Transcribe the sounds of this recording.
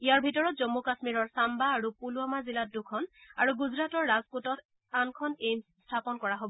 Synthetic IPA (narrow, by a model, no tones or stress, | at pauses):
ijaɹbʱitɔɹɔt̚zɔmːukasmiɹɔɹsambaːɹupuluamaziladukʰɔnaɹuɡuzɹatɔɹːazputɔtʰ | ankʰɔnemstʰapɔnkɔɹaɦobɔ